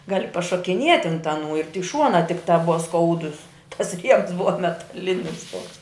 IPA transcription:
ˈɡɑːlʲɪ pɐʃoːkʲɪˈnʲiɛtʲ ɐnt ɐˈnuː ɪr tʲɪk ˈʃuɔnɑː ˈtʲɪkˌtɐ ˈbʊʋɐ ˈskɐʊdʊs tɐs ˈrʲiɛms ˈbʊʋɐ mʲɛtɐˈlʲɪnʲɪs ˈtuɔks

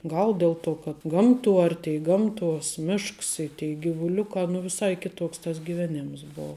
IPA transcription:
ˈɡɐlˠ ˈdʲɛlˠ ˌtuɔ kɐt ˈɡɐmˌtuɔ ˈɐrʲtʲɛɪ ˈɡɐmˌtuɔs ˈmʲɪʃks ɪ tʲɛɪ ɡʲɪʋʊˈlʲʊkɑː nʊ ʋʲɪˈsɐɪ ˈkʲɪˌtoːks tɐs ɡʲɪˈʋʲæːnʲɪms ˈboːʊ

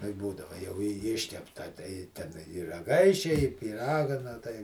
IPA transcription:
nʊ ɪ ˈbuːdɐʋɐ jɛʊ ɪ ˈɪʃʲkʲɛptɐ tɐɪ ˈtʲɛn ɪ rɐˈɡɐɪʃʲɛ ɪ pʲiːˈrɑːɡɐ nɐ ˈtɐɪ

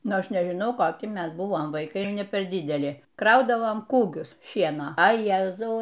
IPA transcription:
ˈnʊ ˈɐʃ nʲɛʒʲɪˈnɐʊ koːˈkʲɪ ˈmʲɛs ˈbʊʋoːm ʋɐɪˈkɐɪ nʲɛ ˈpʲɛr ˈdʲɪdʲɛlʲɪ ˈkrɐʊdɐʋoːm ˈkuːɡʲʊs ˈʃʲiɛnoː ɐ ˈjæːzɐʊ

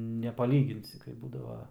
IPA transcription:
nʲɛpɐˈlʲiːɡʲɪnʲsʲɪ kɐɪ ˈbuːdɐʋɐ

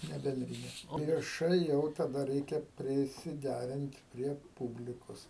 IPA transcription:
ˈnʲɛ bʲɛnʲˈdʲrʲɪnʲɛ oː ʋʲiɛˈʃɐɪ jɛʊ tɐˈdɐ ˈrʲɛɪkʲɛ pʲrʲɪsʲɪˈdʲærʲɪnt pʲrʲiɛ ˈpuːbʲlʲɪkoːs

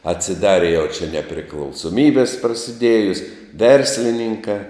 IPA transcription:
ɐtʲsʲɪˈdɑːrʲɪ jɛʊ t͡ʃʲɛ nʲɛpʲrʲɪklˠɐʊsoːˈmʲiːbʲɪs prɐsʲɪˈdʲeːjʊs ˈʋʲɛrʲsʲlʲɪnʲɪŋkɑː

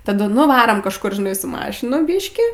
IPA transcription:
tɐˈdʊ nʊ ʋɐˈroːm kɐʃˈkʊr ʒʲɪˈnɐɪ sʊ ˈmɑːʃʲɪnʊ ˈbʲiːʃʲkʲiː

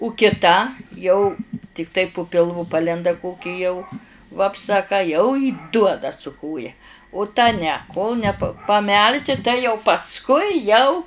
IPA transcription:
ʊ kʲɪˈtɐ jɛʊ tʲɪkˈtɐɪ pʊ pʲɪlˠˈʋʊ ˈpɑːlʲɛndɐ ˈkoːkʲɪ jɛʊ ʋɐpˈsɐ ɐ ˈkɑː jɛʊ ɪ ˈduɔdɐ sʊ ˈkoːjɛ ʊ tɐ nʲɛ koːlˠ nʲɛ p pɐˈmʲɛlʲʃʲɪ tɐɪ jɛʊ pɐsˈkʊɪ jɛʊ

